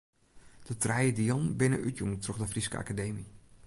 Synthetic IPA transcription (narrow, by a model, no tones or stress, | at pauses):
d̥ətrɛjədiɔnbɪnə̰ʔytjuŋtroχdəfriskə̰a̰kadeːmi